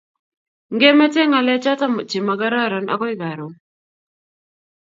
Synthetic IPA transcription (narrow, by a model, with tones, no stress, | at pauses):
ŋɡe˦ma˦te˦ŋa˨lɛ˦t͡ʃa˦ta˦mʊ˨t͡ʃi˨ma˨ɡa˦ɾa˦˨ɾa˨na̰˦kɔ˦i˦ɡa˨ɾo˨